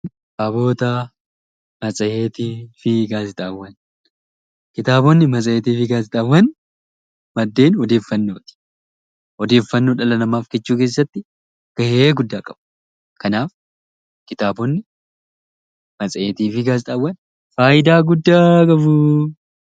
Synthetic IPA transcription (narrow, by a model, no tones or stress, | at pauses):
ɐbo̞ːt̪ɐ | mɐt͡sʼɐeːt̪iːfɪɡaːsɪt̪ʼɐwːɐn | kɪt̪aːbɔnːɪmɐt͡sʼɐeːt̪iːfɪɡaːsɪt̪ʼɐwːɐn | mɐd̪ːe̞ːnɔd̪e̞ːfːɐnːoːt̪ɪ̥ | ɔd̪e̞ːfːɐnːoːᶑɐlɐnɐmaːfkɛt͡ʃːuːke̞ːsːɐt̪ːɪ | ɡ̥ɐheːɡʊd̪ːaːkʼɐb̥ɐ̥ | kɐnaːf | kɪt̪aːbɔnːɪ | mɐt͡sʼɐeːt̪iːfɪɡaːsɪt̪ʼɐwːɐn | faːjɪd̪aːɡʊd̪ːaːkʼɐfʊ